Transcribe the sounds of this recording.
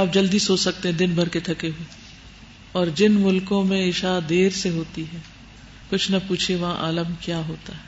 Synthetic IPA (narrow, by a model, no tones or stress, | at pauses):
aːp̚d͡ʒɐld̪isoːt͡ʃsɐk̚t̪eɦɛ̃d̪ɪnbʱɐɾket̪ʰɐkeɦue | ɔːɾd͡ʒɪnmʊlkõmẽɪʃaːd̪eːɾseɦoːt̪iɦɛː | kʊt͡ʃʰnɐpuːt͡ʃʰeʋɐɦãʔaːləmkjaːɦoːt̪aɦɛː